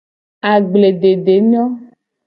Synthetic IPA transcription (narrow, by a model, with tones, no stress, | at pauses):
a˨ɡ͡ble˨ɖe˨ɖe˨ɲ˦ɔ̃˦